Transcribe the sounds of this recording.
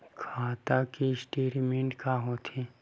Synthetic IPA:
kʰaːt̪akisʈiːɾmẽɳʈkaɦot̪ʰi

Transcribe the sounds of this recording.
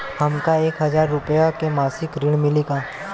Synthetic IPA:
hɐmkaeːkɦɐzaːɾːʊpəjakemaːsɪkɾɪɽ̃mɪleːɡaː

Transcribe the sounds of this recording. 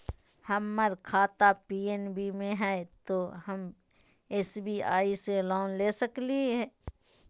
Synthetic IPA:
hɐmːɐɾkʰaːt̪apiːenbimẽɦɛːt̪oɦɐm | eːsbia̰ːiselɔːnleːsəkliɦɛː

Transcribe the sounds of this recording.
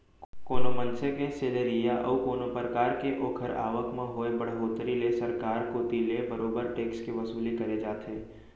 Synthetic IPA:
koːnomə̃nsekẽseləɾijaʔɐ̰ʋkoːnopəɾəkaːɾkeʔoːkʰəɾa̰ːʋəkmẽɦoːebɐɽɦoːt̪ɾilesɐɾkaːɾkot̪ilebəɾoːbəɾʈeːkskiʋɐsuːlikɐɾed͡ʒaːt̪ʰeː

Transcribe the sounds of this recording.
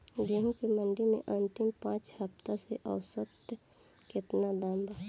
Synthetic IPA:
d̪eɦũkimə̃ɳɖimḛ̃ʔə̃nt̪ɪmpãːt͡ʃhəpt̪aseʔəʊsət̪ | kɪt̪nad̪aːmbaː

